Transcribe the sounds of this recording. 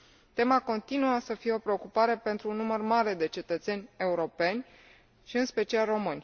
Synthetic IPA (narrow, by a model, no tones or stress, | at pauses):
t̪e̞mako̞nt̪inuəsəfije̞o̞pɾe̞o̞kupaɾe̞pe̞nt̪ɾuːnːumərmaɾe̞d̪e̞t͡ʃe̞t̪ət̪se̞nʲe̞uɾo̞pe̞nʲ | ʃiɨnspe̞t͡ʃialro̞mɨnʲ